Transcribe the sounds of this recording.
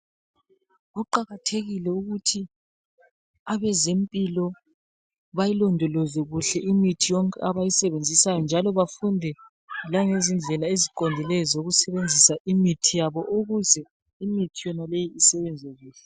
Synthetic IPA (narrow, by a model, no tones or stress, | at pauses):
ɣuǃaɣatʰeɣilɛuɣutʰi | aβɛzempʼilɔ | βajilɔndʱɔlɔzwɛɣuɬɛʔimitʰijɔŋkʼɛaβajisɛβend͡zʱisajɔnd͡ʒʱalɔβafundʱɛ | laŋezind͡ɮʱɛlaezikʼondʱilɛjɔzoɣusɛβend͡zʱisaimitʰijaβɔʔoɣuzɛ | imitʰijɔnalejiːsɛβɛnd͡zʱɛɣuːɬɛ